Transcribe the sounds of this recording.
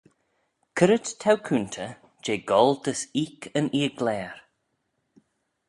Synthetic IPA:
kʰəɾət̪tʰawkʰunt̪ʰə | d͡ʒeːɡɔlˠd̪əsiːkʰənʔiːɡlɛːɾ

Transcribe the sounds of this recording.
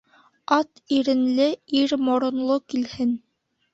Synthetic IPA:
ɑt̪iɾɘ̆nlɘiɾmŏɾŏnlˠokilhɘn

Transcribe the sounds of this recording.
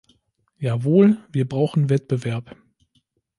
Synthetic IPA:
jaːvoːlviːɐbʁaʊxn̩vɛtb̥əvɛɐp

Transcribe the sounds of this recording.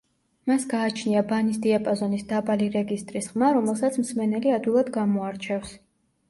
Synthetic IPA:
masɡaːt͡ʃʰniabanisd̪iapʼɔzɔnisd̪abaliɾɛɡist̪ʼɾisχmaɾɔmɛlˠsat̪sʰmsmɛnɛliad̪wilˠad̪ɡamɔaɾt͡ʃʰɛfs

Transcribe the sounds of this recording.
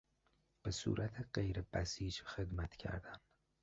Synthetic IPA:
b̥esṵːɾʔæt̪ʰeɢejɾebæsiːd͡ʒxe̞d̪mæt̪ʰcʰæ̰ɾd̪ænd̪̥

